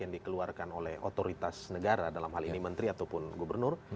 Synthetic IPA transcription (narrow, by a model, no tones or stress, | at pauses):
jaŋdikəluarkanolɛho̰t̪oɾit̪asnəɡaɾadalamɦalinimənt̪ɾiat̪awpʊnɡubərnʊr